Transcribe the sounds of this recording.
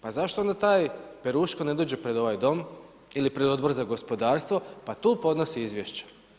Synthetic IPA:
pazaʃt̪oond̪at̪aːjpeɾuːʃkone̞d̪oːd͡ʑepɾe̞d̪o̞ʋajd̪o̞m | ilipɾed̪o̞d̪bo̞ɾzaɡo̞spo̞d̪aːɾst̪ʋopat̪uːpo̞d̪no̞siizʋjeʃt͡ɕḁ

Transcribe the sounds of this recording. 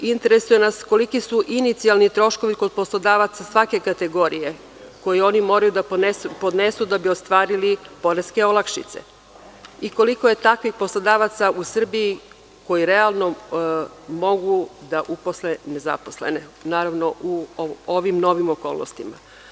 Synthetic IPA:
int̪eɾe̞sujenasko̞likisuʔinit̪sialˠnit̪ɾo̞ʃko̞ʋiko̞d̪̚poslˠod̪aːʋat̪sasʋake̞kat̪e̞ɡo̞ɾije̞ | ko̞jeo̞nimo̞ɾajud̪anesupo̞d̪ne̞sud̪abio̞st̪ʋaːɾilipo̞ɾeske̞o̞lˠakʃḭt̪sḛ | iko̞likoje̞t̪akʋixpo̞slˠod̪aːʋat̪sausr̩biji | ko̞jiɾe̞alˠno̞ | mo̞ɡud̪aʔupo̞slene̞za̰po̞sle̞̰ne̞naːɾaʋno̞ʔuoʋimno̞ʋimoko̞ːlˠno̰st̪ima̰

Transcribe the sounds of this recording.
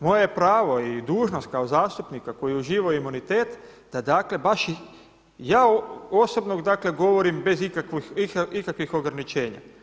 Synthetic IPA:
mo̞jeepɾaːʋo̞id̪uːʒnost̪̚kaozaːst̪upnikako̞jiuʒiːʋaoimunit̪eːt̪ | d̪̥ad̪aːkle̞baʃi | jaːoo̞sobnoɡd̪akle̞ɡo̞ʋo̞ɾimbe̞zikakʋixiikakʋixo̞ɡɾanit͡ʃe̞ːɲa̰

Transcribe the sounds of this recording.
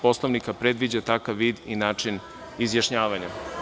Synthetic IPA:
po̞slˠoʋnikapɾed̪ʋid͡ʑat̪akaʋːiːd̪inaːt͡ʃin | izjaʃɲaːʋaɲa

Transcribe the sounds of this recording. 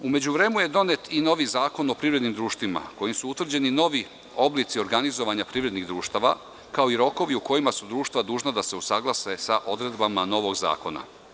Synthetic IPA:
ume̞d͡ʑuʋɾe̞ːmuje̞d̪o̞ne̞t̪ino̞ʋizaːko̞no̞pɾivɾed̪nimd̪ɾuːʃt̪ʋima̰ko̞jimsuut̪ʋr̩d͡ʑe̞nino̞ʋi | o̞blˠit̪sio̞ɾɡanizo̞ʋaɲapɾiʋɾe̞d̪niɣd̪ɾuːʃt̪aʋa̰ | kao̞iɾo̞ko̞ʋiuko̞jimasud̪ɾuːʃt̪vad̪uːʒnad̪ase̞usaɡlˠasesaʔo̞d̪ɾe̞d̪bamano̞ʋo̞ɡza̰ːko̞na̰

